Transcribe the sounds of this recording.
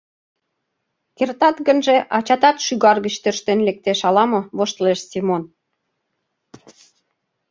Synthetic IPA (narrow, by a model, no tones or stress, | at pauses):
kert̪ɑt̪ɡə̆nʒeʔɑt͡ɕɑt̪ɑt̪ʃyɣɑrɣət͡ɕt̪ørʃt̪enlek̚t̪eʃɑlɑmɤ̆βoʃt̪leʃsimon